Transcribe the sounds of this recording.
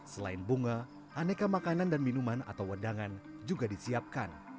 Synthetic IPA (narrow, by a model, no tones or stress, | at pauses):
səla̰ɪnbuŋa | ʔanekamakanandanminumana̰t̪awədaŋand͡ʒuɡadisiap̚kan